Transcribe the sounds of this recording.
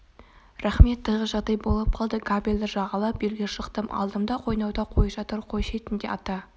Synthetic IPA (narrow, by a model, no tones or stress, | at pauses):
ræχme̞t̪ʰːəʁəʒɑd̪ɑjbo̞lˠəp̚qʰɑlˠd̪əkabʲilʲd̪əʒɑʁɑlˠɑp̚elɡʲeʃəqt̪əmʔɑ̰lˠd̪əmd̪ɑqʰo̞jnɑwd̪ɑqʰo̞jɑʒɑt̪əɾqʰo̞jʃe̞t̪ɪnd̪e̞̰ɑt̪ɑ